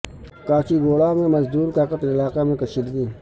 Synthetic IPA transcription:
kaːt͡ʃʰiːɡoːlaːmẽːməzd̪uːɾkaːkət̪ɪlaːkamẽkəʃɪd̪ɡiː

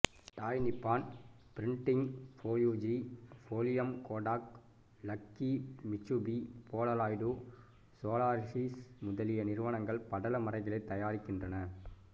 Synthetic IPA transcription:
ʈ̪aːjnɪpːaːnpɪɾɪɳʈɪŋfoːjuːd͡ʒifoːlɪjɐmkoːɖaːk̚ | lɐkːimɪt͡ʃːubipoːɽɐlaːjɖu | soːlaːɾsismʊðɐlɪjɐnɪɾɯʋɐnɐŋɡɐɭpɐɽɐlɐmɐɾɐɪɣɐɭɐɪt̪ːɐjaːɾɪkːɪndrɐnɐ

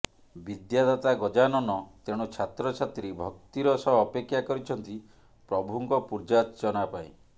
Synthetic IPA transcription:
bid̪jad̪at̪aɡɔd͡ʒanɔnɔt̪eɽ̃ut͡ʃʰat̪ɾɔt͡ʃʰat̪ɾibʱɔk̚t̪iɾɔsɔːpekʰːjakɔɾit͡ʃʰɔnt̪i | pɾɔbʱuŋkɔpuɾd͡ʒatd͡ʒɔnapaj

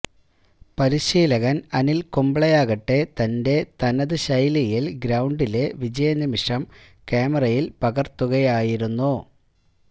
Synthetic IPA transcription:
pɐɾiɕiːlɐɣɐnɐnilkumbɭɐjaːɣɐʈːe̞t̪ɐnde̞t̪ɐnɐðɨɕɐjlijilɡɾɐwɳɖile̞ʋid͡ʑɐjɐnimiʂɐm | keːmɐrɐjilpɐɣɐrt̪ːuɣɐjaːjiɾunːu

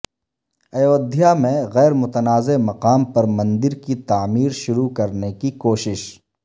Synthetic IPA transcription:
ɐjoːd̪ʱijamẽɣɛːɾmʊt̪ənaːzemɐqaːmpɐɾmɐ̃nd̪ɪɾkit̪aːmiːɾʃʊɾukɐɾnekikoːʃɪʃ

